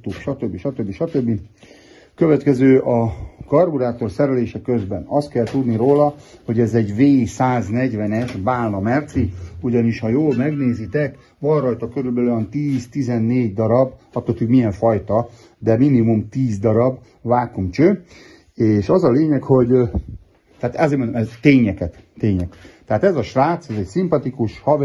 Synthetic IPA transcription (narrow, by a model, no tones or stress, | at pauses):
t̪ukʃɒt̪øbːiʃɒt̪øbːiʃɒt̪øbːi | køvɛt̪kɛzøːʔɒkɒrbuɾaːt̪o̞rsɛɾɛleːʃɛkø̞zbɛnɒst̪̚kɛlt̪ud̪niɾoːlɒho̞ɟɛzɛɟveːsaːznɛɟʋɛnɛʃbaːlnɒmɛrt̪siuɟɒniʃhɒjoːlmɛɡneːzit̪ɛk | vɒnrɒjt̪ɒkøɾylbɛløɛnt̪iːzt̪izɛnːeːɟd̪ɒɾɒbɒt̪ːot̪ykmijɛɱfɒjt̪ɒ | d̪ɛminimumt̪iːzd̪ɒɾɒb | ʋaːkumt͡ʃø | eːʃɒzɒleːɲɛkho̞ɟ | t̪ɛat̪zeːmnd̪mɛt̪eːɲɛkɛt̪ːeːɲɛkt̪ɛaːt̪ɛzɒʃʋaːt̪sɛzɛcsimpɒt̪ikuʃhɒv